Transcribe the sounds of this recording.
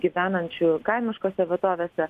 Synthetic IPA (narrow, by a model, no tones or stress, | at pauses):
ɡʲiʋʲæːnɐnʲt͡ʃʲʊkɐɪmʲɪʃkoːsʲɛʋʲɛt̪oːʋʲeːsʲɛ